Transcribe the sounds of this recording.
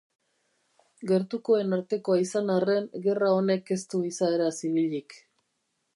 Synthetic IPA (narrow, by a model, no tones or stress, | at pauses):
ɡe̞ɾt̪uko̞e̞naɾt̪e̞ko̞aisanare̞nɡe̞rao̞ne̞ke̞st̪uisae̞ɾasiβiʎik